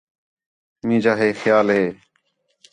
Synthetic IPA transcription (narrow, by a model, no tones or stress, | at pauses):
mĩːd͡ʒaːɦeːxjaːlɦeː